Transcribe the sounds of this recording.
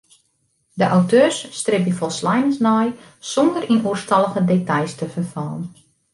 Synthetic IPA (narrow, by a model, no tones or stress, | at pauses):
dəʔawtʰøːsːtrɪp̚əfɔlˠslajnənsnɔj | sɔndərinuərstɑlˠəɣədetajstəfərfaːən